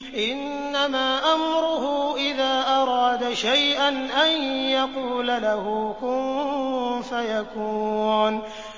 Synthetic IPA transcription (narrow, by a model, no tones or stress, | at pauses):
ʔɪnː | amaːʔamɾʊɦʊʔɪðaːʔɑɾˤɑːd̪aʃajʔanʔanjɑquːlalahukʊn | fajakuːn